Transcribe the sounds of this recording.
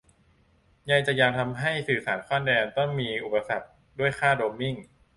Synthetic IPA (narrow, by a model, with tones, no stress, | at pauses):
ɲa˧jt͡ɕa˨˩jaː˧ŋt̪ʰa˧mɦa˥˩jsɯː˨˩saː˩˦nkʰaː˥˩ndɛː˧nt̪ɔ˥˩ŋmiː˧ʔu˨˩pa˧sa˨˩p̚ | du˥˩əjxʰaː˥˩doː˧mi˥˩ŋ